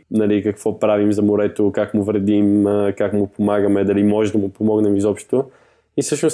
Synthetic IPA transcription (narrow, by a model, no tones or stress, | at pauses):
nɐlikəkv̥ɔpɾavimzɐmoɾɛt̪okakmʊvɾɛd̪iməkakmʊpomaɡəmɛd̪ɐlimɔʒɛd̪ɐmʊpomɔɡnɛmizɔpʃt̪o̥t̪o | isɤʃnos